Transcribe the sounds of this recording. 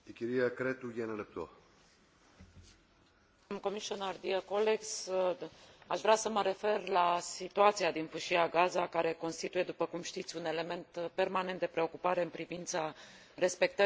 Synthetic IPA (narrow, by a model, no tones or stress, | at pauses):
ikʲiɾiakɾet̪ujenelep̚t̪oa̰ | mko̞miʃionard̪iakoleks | aʃvɾeasəməɾe̞fe̞rlasit̪uat̪siad̪infɨʃiaɡazakaɾe̞ko̞nst̪it̪uje̞d̪upəkumʃt̪it̪sʲune̞le̞me̞nt̪pe̞rmane̞nt̪̚d̪epɾe̞o̞kupaɾe̞ɨnpɾivint̪sa | ɾe̞spe̞k̚t̪ə